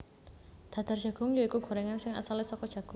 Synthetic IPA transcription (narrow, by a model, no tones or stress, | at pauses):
d̪̥a̤d̪̥ardd͡ʒ̥ä̤ɡ̥ʊŋjoikuɡ̥o̤ɾɛŋansɪŋa̰salisɔkɔd̥ʒ̥a̤ɡ̥ʊ